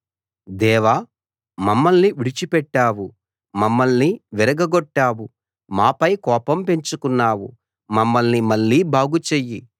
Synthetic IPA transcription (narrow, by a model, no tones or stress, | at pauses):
d̪ɛːʋa | mɐmːɐlniʋiɽit͡ʃipɛʈːaːwu | mɐmːɐlniʋiɾɐɡɐɡoʈːaːwu | maːpɐjkɔːpɐmpe̞ɲt͡ʃukunːaːwṵ | mɐmːɐlnimɐɭːiːbʱaːɡut͡ʃeji